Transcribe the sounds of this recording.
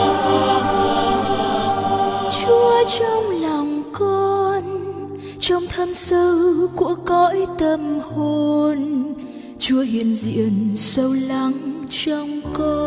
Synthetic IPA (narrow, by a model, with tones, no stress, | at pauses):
t͡ɕu˧ət͡ɕɔ˧wŋ͡mlɔ˨˩wŋ͡mkɔ˧n | t͡ɕɔ˧wŋ͡mt̪ʰə˧msə˧kṵ˧˩əkɔ˧˥jt̪ə˧mho˧n | t͡ɕu˧əhi˧˨ənzḭ˧˨ənsə˧wla˧˦ŋt͡ɕɔ˧wŋ͡mkɔ˧